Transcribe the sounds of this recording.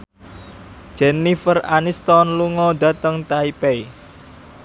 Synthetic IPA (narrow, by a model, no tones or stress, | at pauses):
d̥d͡ʒ̥ɛnifəra̰nist̪ɔnluŋɔd̪a̤t̪əŋt̪aipei